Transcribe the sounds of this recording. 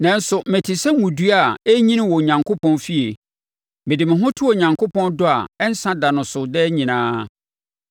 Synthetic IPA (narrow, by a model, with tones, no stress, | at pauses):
nã˨n̩˦sʊ˨mɪ̃˨tʰɪ˨sɛ˦mũ˨du˦a˨e˦ɲĩ˦nɪ̃˦wɔ˨ɲã˨ŋkʰo˦pʰɔ̃˦nfi˦e˨ | mɪ̃˨dɪ˨mɪ̃˨ɦʊ̃˦tʰʊ˦ɔ˨ɲã˨ŋkʰo˦pʰɔ̃˦ndʊ˦a˨ɛ˦n̩˦sã˦da˨nʊ̃˨sʊ˨dɛ˦ɲĩ˨nãː˦